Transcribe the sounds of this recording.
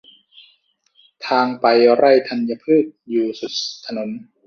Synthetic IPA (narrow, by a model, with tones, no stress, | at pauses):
t̪ʰaː˧ŋpa˧jɾa˥˩jt̪ʰa˧nja˧pʰɯː˥˩t̪̚juː˨˩su˨˩t̪̚ʰːa˧no˩˦n